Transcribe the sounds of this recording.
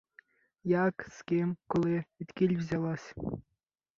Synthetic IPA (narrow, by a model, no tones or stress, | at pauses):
jɑkskʲemkolˠeɘ̆t̪ʲkʲilʲvzʲɑlˠɑsʲ